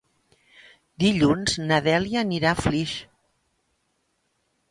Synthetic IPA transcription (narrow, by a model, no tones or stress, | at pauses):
d̪iʎunz̥nəðɛliəniɾafliʃ